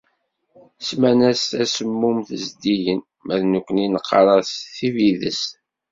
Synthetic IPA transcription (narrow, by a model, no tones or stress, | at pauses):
smænæst̪æsəmːumθəzd̪ijən | mæðnukʷːəninəqːɑɾˤɑθθiviðə̰s